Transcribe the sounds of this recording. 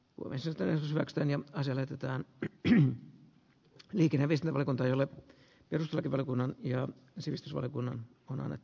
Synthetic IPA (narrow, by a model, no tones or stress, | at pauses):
kṵo̰mḛnsinst̪ːˑænehrot̪shyʋæksy̥t̪æːnjɑɑsiɑlæhet̪et̪æːn | liːkeneʋiest̪inʋɑlijokunt̪ɑejole | perust̪elɑkiʋɑljokunːɑnjɑ | siʋist̪ysʋɑ̰ljokunːɑnonɑ̰nːḛt̪ː